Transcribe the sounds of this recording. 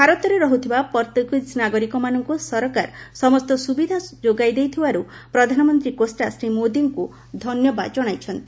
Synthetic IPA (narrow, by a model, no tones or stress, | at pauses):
bʱaɾɔt̪ɔɾeɾɔɦut̪ʰibapɔɾt̪ekid͡ʒnaɡɔɾikɔmanɔŋkusɔɾɔkaɾsɔmɔst̪ɔsubid̪ʱad͡ʒoɡajd̪ejt̪ʰibaɾu | pɾɔd̪ʱanɔmɔnt̪ɾikosʈasɾimod̪iŋku | d̪ʱɔnjɔbad͡ʒɔɽ̃ajt͡ʃʰɔnt̪i